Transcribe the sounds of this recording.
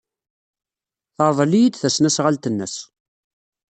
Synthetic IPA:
θɑˤvˤəlijid̪θæsnæsʁalt̪ənːə̰s

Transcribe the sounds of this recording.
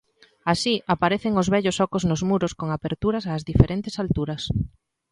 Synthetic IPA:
asiʔapaɾeθeŋʊzβɛʎosɔkoznʊzmuɾoskoŋapeɾt̪uɾɐsaːzðifeɾʔent̪esalt̪uɾɐs

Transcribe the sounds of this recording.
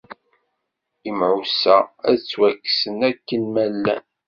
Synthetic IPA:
imʕusææðt͡sːwækːsənækːənmælːæ̰n

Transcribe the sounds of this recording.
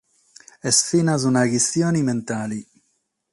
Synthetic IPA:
ɛsfinazunaɡisjoːniment̪aːli

